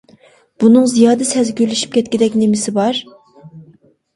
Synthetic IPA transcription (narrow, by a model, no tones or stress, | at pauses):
b̥unɨŋzijɑːd̪ɨsɛzɡʲølyʃi̥p̚kʲʰɛt̪̚ʲkʲid̪ɛkʲnemɪsɪbɑɾ